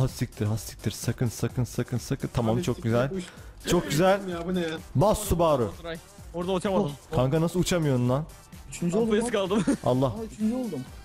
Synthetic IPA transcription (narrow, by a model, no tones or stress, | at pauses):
ɦast̪ic̚ʲt̪ʰiɾɦasi̥c̚ʲt̪ʰiɾsakʰɯnsakʰɯnsakʰɯnsakɯnt̪ʰamamt͡ʃʰo̞k̚ɟyzælʲt͡ʃʰok̚ɟyzælʲ | basːubaːɾɯa | oɾd̪aut͡ʃʰamakʰaŋkanasɯlˠut͡ʃʰamɯjonund̪an | yt͡ʃʰnd͡ʒ̪kalˠd̪ɯma̰lˠːaht͡ʃʰnd͡ʒolˠd̪um